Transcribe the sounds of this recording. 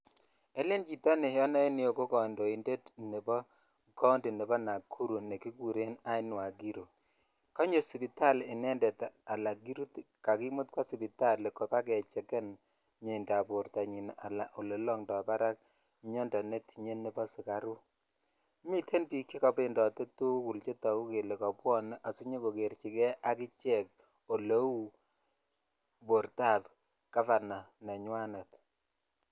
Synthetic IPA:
e˦le˦nt͡ʃi˨tɔ˦ne˨jɔ˦na˦i˦ni˦o˨ko˦kɔ˨ndo˨i˨nde˦tne˨bɔ˦ | kɔ˦ndi˨ne˨bɔ˦na˨kʰːu˦ɾu˨ne˨ki˦ku˨ɾe˦na˦ɪ˦nwa˨ɡi˦ɾo˨ | kɔ˦ɲe˨si˨pi˨ta˦lɪ˨nɛ˦ndɛ˨ta˨la˨ɡi˦ɾu˦tka˨ki˦mu˦t̚kwa˦si˨pi˨ta˦le˨ko˨pa˦k̬ɛ˨t͡ʃɛ˨kɛ˦n | ɲe˨nda˨bʊ˨ɾta˨ɲi˨na̰˨la̰˨ʔo˨le˨lɔ˦ŋdɔ˨pa˦ɾa˦k̚ | ɲɔ˦nda˨ne˦ti˨ɲe˦nːe˦bɔ˦sɪ˨ka˨ɾu˦ | mi˦tʰe˦npi˨kːi˦ka˨pe˦ndɔ˨te˦tu˦ku˨lt͡ʃe˦ta˨ku˦ke˨le˨ka˨pwɔ˦nʔa˨si˦ɲe˦ko˨ke˨rt͡ʃi˨kɛ˦ʔa˦ki˦t͡ʃɛ˦k̚ | o˨lo˦u˦ | bo˨ɾta˦˨p | ka˦fa˨na˨nɛ˨ɲwa˦ne˨t

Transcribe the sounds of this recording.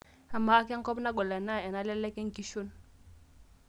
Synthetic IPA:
a˨ma˨˦ka˦ŋ̩˦kɔ˦pna˦ɡɔ˨lɛ˨na˦˨ɛ˨na˦lɛ˦lɛ˦kɛ˦ŋ̩˨ki˦ʃo˦n

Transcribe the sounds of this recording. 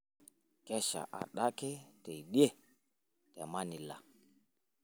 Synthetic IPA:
kɛ˦ʃa̰˨ʔa̰˨ɗa˦kɛ˦te˨ɗi˦e˦ | tɛ˨ma˦ni˨la̰˨

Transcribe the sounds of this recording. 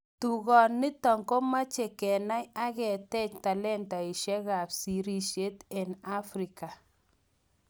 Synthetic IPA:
tu˨ɣɔ˨nːɪ˦tɔ˨ŋko˦ma˦t͡ʃe˨kɛ˨na˦ja˦kɛ˨tɛ˦˨t͡ʃta˨lɛ˦nta˨ɪ˨ʃɛ˦ka˨psi˨ɾi˦ʃe˦tɛ˨na˦fɾi˨ka˨

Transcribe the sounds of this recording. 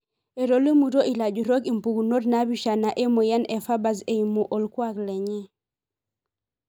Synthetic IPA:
e˨ɾo˨li˦mu˨to˦ʔi˨la˨d͡ʒu˨ɾo˦ki˨mpu˨ku˨no˦dna˦bi˦ʃa˨na˨ʔe˦mo˨jɛ˦nɛ˨fa˦ba˨se˨i˨mu˨ʔo˨lkwa˦klɛ˨ɲi˦

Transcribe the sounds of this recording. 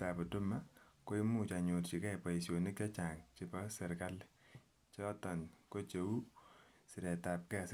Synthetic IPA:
ta˨pɔ˨dʊ˦ma˦ko˦i˦mu˦t͡ʃa˨ɲo˨tt͡ʃi˨kɛ˦˨pa˨i˨sjo˨ni˦k̚t͡ʃa˦t͡ʃa˨ŋt͡ʃɪ˨pɔ˦sɛ˨ɾka˦l | t͡ʃɔ˦tɔ˨nko˦t͡ʃe˨u˦sɪ˨ɾɛ˨ta˨p̚kɛ˦˨s

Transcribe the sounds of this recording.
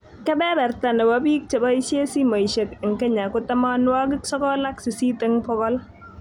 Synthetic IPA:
kɛ˦bɛ˦bɛ˨ɾta˨nɛ˨wa˦bi˦k̚t͡ʃe˨ba˦i˦sje˦si˦ma˨i˨ʃe˨kɪ˨ŋkɛ˦ɲa˨kʊ˦ta˦ma˦nwa˦ɡɪ˦ksɔ˦kɔ˦la˦ksi˨si˦te˦ŋpɔ˦kɔ˦l

